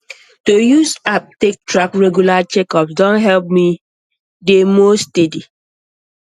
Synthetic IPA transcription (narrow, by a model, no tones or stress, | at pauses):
tojuzap̚tek̚tɹakɹɛɡjulat͡ʃɛkɔpsdɔ̃nɦɛlp̚mi | demostedi